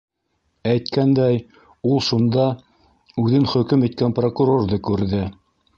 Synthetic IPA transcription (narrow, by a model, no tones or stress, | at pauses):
æjt̪kænd̪æj | ulˠʃund̪ɑ | ʉðɘnχɵ̆kɘmit̪̚kænprokuɾo̞rðɤkʉɾðɘ